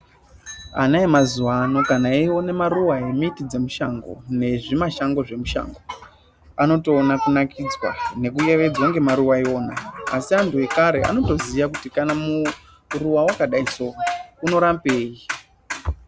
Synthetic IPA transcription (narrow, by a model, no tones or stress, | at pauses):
a̰naemazuwano̞kanaiwo̞nemaruwaemoitid͡ze̞muʃaŋɡo̞̰ne̞ʐimaʃaŋɡo̞ʐe̞muʃa̰ŋɡo̞ | ano̞to̞ːnakunakid͡zwa̰ne̞k̬uje̞ʋe̞d͡zoŋɡe̞maɾuwaio̞ːnaasiantue̞kaɾe̞a̰no̞to̞ziʋakutikanamu | ruwawakaɗaiso̞ːkauno̞ɾampeːji